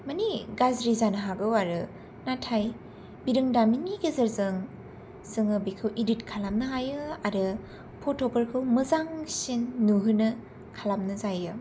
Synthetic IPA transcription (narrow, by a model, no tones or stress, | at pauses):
maniɡazɾizanɐɦaɡɯwaɾɯ | natʰaj | biɾɯŋdaminiɡezɐɾzɯŋ | sɯŋɯbikʰɯwʔiditkʰalamnɐɦajɯaɾɯ | pʰotʰokɐɾkʰɯwmɯzaŋsinːuɦɯnɯ | kʰalamnɯzajɯ